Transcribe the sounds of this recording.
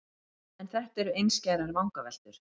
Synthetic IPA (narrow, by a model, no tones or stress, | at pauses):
ɛnθɛht̪ɛɾʏejnscaːjɾaɾvawŋkavɛl̥t̪ʏɾ̥